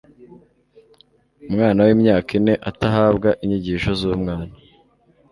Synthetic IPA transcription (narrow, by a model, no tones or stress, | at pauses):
umŋaːnawimɲaːkine̞ʔataɦaːbɡaʔiɲiɟiːʃo̞zuumŋaːna